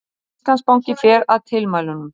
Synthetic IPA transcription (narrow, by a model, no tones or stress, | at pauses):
st̪anspawɲcɪfɛːɾaðt̪ʰɪlmaːjlʏnʏm